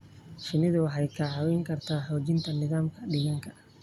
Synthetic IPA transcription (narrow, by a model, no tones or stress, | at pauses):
ʃɪnɪðʊwɑħɑjkʰaːħɑwɛːŋkʰɐrt̪ʰaːħɔːt͡ʃɪnt̪ʰɐnɪðaːmkʰɐɖɪɣɐŋkʰɐ